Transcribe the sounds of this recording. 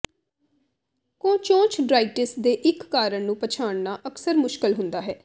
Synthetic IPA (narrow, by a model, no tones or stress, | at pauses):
kõːt͡ʃõːt͡ʃɖɾaːiʈɪsd̪eːʔɪkːaːɾəɳnũːpət͡ʃʰaːɳnaːʔəksəɾmʊʃkɪlɦʊ̃nd̪aːɦɛː